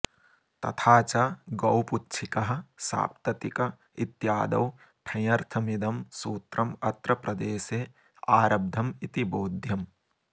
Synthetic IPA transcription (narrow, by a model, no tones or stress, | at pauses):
t̪ɐ̰t̪ʰaːt͡ʃaɡɐwputːt͡ʃʰikɐɦɐ̆sa̰ːp̚t̪ɐt̪ikɐ | it̪jaːd̪ɐ̰w | ʈʰɐ̃jɐɾt̪ʰɐmid̪ɐmsuːt̪ɾɐmɐt̪ɾɐpɾɐd̪eːseː | aːɾɐb̚d̪ʱɐmit̪iboːd̪ʱjɐm